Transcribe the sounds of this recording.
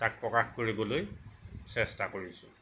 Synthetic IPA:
tak̚pɹɔkaxkoɹibɔlojsɛstakoɹisʊ

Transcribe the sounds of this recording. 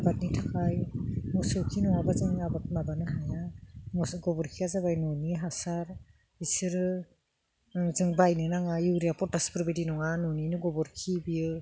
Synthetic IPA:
abat̚nitʰakʰajmɔsɯwkʰinɔŋabazɯŋabamabanɯɦajamɔsɡɔbɔɾkʰiazaβajnɔniɦasaɾ | isɯɾ | zɯŋbajnɯnaŋajuwɾijapʰɔtaspɾbedinɔŋanɔninɯɡɔbɔɾkʰibiɯ

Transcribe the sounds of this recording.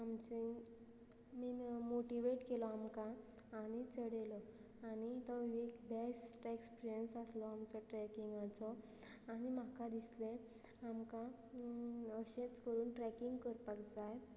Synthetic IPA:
amt͡ɕe | miːmoʈiʋeʈkelɔamkãːñit͡səɽelɔ | añit̪ɔekbesʈekspiɾijənsaslɔamt͡sɔʈɾɛkiŋɡãt͡sɔ | añimakad̪islẽ | amkã | əɕẽt͡skəɾuːnʈɾɛkiŋɡkəɾpakd͡zaj

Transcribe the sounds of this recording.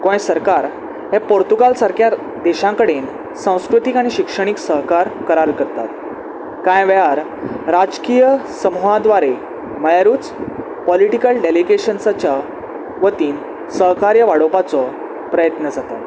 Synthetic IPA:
kõjẽsəɾkaɾ | ɦẽpoɾt̪uɡalsaɾkja | d̪eɕãkəɽen | sãw̃skɾut̪ikaɽ̃iɕikʂəɽ̃iksəɦkaɾkəɾaɾkəɾt̪at̪ | kãjʋɛɦaɾ | ɾad͡ʑkijəsəmuɦãd̪ʋaɾe | məjaɾuːt͡s | pɔliʈikəlɖeliɡeɕənsat͡ɕa | ʋət̪iːn | səɦkaɾjəʋaɽopat͡sɔ | pɾəjət̪nəd͡zat̪at̪

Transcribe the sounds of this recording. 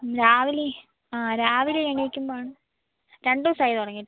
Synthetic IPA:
ɾaːʋili | aːɾaːʋileeɳijikʲːumbaːɳɨ | ɾeɳɖɨsɐjiðuɽɐŋːi

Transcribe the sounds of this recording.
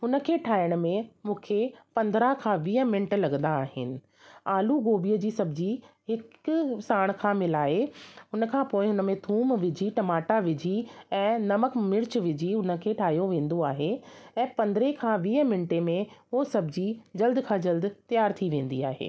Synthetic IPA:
ɦʊnə̆kʰeːʈʰaːjəɽ̃̆mẽmũːkʰepɐ̃nd̪ɾəɦkʰãːʋiːəmɪ̃ɳʈlɐɡə̃nd̪aːɦɪ̰nɪ̆ | aːluɡoːbijəd͡ʑiːsɐbʱɪd͡ʑihɪksaːɽ̃kʰãːmɪlaːeɦʊnəkʰãːpoːɪɦʊnə̆mẽt̪ʰuːmʋɪd͡ʑʱiʈɐmaːʈaʋɪd͡ʑʱiɛ̃ːnɐməkmɪɽt͡ɕʋɪd͡ʑʱiɦʊnəkʰeːʈʰaːɦjoʋẽːn̆d̪oaːɦeɛ̃ːpɐ̃nd̪ɾekʰãːʋiːəmɪɳʈemẽɦosɐbʱɪd͡ʑid͡ʑɐld̪kʰãːd͡ʑɐld̪t̪ijaːɾt̪ʰiʋẽːn̆d̪iaːɦḛː

